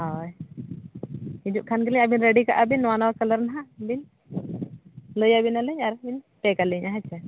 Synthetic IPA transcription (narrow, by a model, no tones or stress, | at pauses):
ɦaj | id͡ʒuʔkʰankəliɲabinɾɛɖika̰ʔabinːwanawakələɾnaɦaʔbin | ləjabinaləɲaɾbin | pɛkaliɲʔaɦat͡ʃʰːa